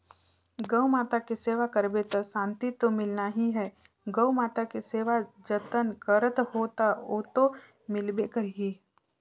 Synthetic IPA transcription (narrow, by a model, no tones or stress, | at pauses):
ɡəwmaːt̪akeseːʋakəɾbet̪əsãːnt̪it̪omɪlnaɦiɦɛː | ɡəumaːt̪akeseːʋad͡ʒət̪ənkəɾət̪hoːt̪aot̪o | mɪlbekəɾiː